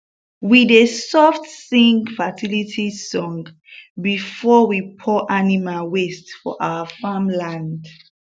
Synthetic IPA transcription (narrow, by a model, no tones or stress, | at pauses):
widesɔftsĩŋɡfatʰilitʰisɔ̃ŋɡ | bifɔwipʰɔʔanimalwestfɔ̰ʔa̰əfãmlãnd